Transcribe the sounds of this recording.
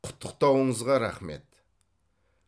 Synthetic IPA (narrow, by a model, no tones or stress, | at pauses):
ʊ̥t̪ʰːə̥q̚t̪ɑwəɴəzʁɑɾɑ̰χme̞̰t̪